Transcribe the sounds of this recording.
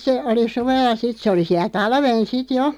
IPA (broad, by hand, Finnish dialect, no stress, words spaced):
se oli suʋelˑɑ sit se oli siæl̆ tɑlʋen sit jo